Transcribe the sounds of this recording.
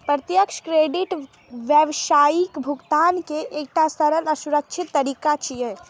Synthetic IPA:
pɾət̪jəkʃkɾeɖiʈ | ʋjəʋʃajikbʱuɡt̪ankeʔek̚ʈasəɾələsuɾək̚t͡ʃʰit̪ːəɾikat͡ʃʰije

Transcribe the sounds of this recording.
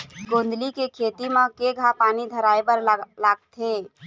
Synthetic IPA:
ɡond̪likekʰet̪imekeɡʱapanid̪ʱəɾajbəɾlaɡt̪ʰe

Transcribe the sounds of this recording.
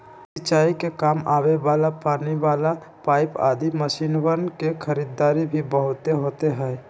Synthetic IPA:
sɪt͡ʃːaːikekaːmaːweʋaːlapaːniʋaːlapaːɪpa̰ːd̪iməʃiːnwəɾnkexʰəɾiːd̪aːɾibʱibəɦʊt̪eɦoʊːt̪eɦɛː

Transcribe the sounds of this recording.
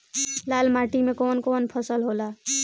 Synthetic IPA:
lalmaʈimekonkonpʰʌsəlɦola

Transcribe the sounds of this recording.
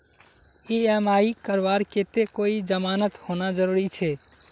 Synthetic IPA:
eəmaikəɾʋaɾket̪ekoid͡ʒəmanət̪honad͡ʒəɾuɾit͡ʃʰɛ

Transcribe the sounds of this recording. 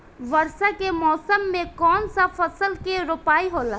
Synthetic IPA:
ʋɐɾsakemɔːsəmːẽkɔːnsafʰɐsəlkeɾopaːiɦoːla

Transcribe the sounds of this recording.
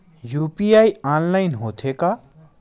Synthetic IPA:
juːpiaːiaːnlaːɪnɦoːt̪ʰeːka

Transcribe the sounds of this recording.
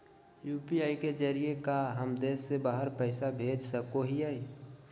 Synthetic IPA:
juːpiaːiked͡ʒəɾijekaɦəmd̪eːsːebaːɦəɾpəɪsabʱeːd͡ʒsəkoɦiai

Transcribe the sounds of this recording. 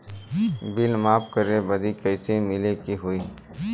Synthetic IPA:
bɪlmaːpkəɾebɐd̪ʱikəɪsemɪlekiɦui

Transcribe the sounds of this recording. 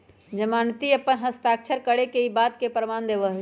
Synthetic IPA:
d͡ʒəmant̪iəpːənɦəst̪ak̚t͡ʃʰəɾkəɽekeibat̪kepɾəmand̪ebəɦ

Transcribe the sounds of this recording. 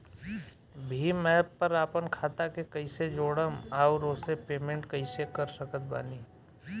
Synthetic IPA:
bʱimɛ̃ːpːəɾaːpənkʰaːt̪akekɐɪsed͡ʒoːɽəmaːʊɾoːsepeːmẽɳʈkəisekəɾsəkət̪̚ba̰ːniː

